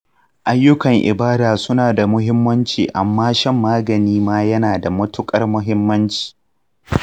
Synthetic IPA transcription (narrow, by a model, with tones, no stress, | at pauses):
ʔa˦jːʊ˦kɐ˨ŋʔɪ̰˨baː˦daː˨sʊ˦naː˨da˨mʊ˦ɦɪ˦mːɐ˦nt͡ʃiː˨ʔa˨mːaː˦ʃɐ˦˨mːaː˦ɡɐ˨niː˦maː˦jɐ˦naː˨da˨mʊ˦tʊ˦kʼɐ˦rmʊ˦ɦɪ˦mːɐ˦nt͡ʃi̥ː˨